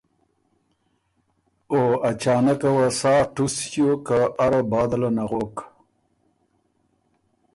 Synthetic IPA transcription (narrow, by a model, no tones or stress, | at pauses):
oat͡ɕɑːnakawasɑːʈusjokaʔaɾabɑːd̪alanaɣok